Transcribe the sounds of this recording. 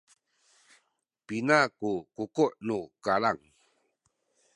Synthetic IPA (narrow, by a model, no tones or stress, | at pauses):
pinakukukuʔnukalaŋ